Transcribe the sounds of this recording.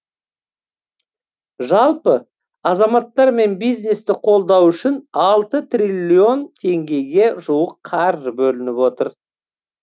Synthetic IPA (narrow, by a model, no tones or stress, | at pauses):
ʒɑlˠpə | ɑzɑmɑt̪ːɑɾme̞nbijzne̞st̪ɪqʰo̞lˠd̪ɑwʏʃɪnɑlˠt̪ət̪rʲilʲːio̞nt̪ʰe̞ŋɡʲe̞jɡʲe̞ʒuwəqʰːɑɾʒəbɵlɪnɪpwo̞t̪əɾ